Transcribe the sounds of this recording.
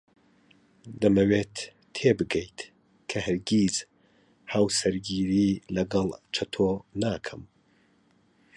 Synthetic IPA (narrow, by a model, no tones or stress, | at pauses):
d̪ɐmɐweːt̪ʰː | eːbɨɡɛjt̪ | kʰɐhɨɾɡiːz | haːwsɐɾɡiːɾiːlɐɡɐlˠt͡ʃʰɐt̪ʰonaːkʰɐm